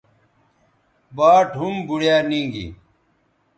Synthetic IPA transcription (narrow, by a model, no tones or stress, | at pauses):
baːʈumbuɽjaːnĩːŋɡḭ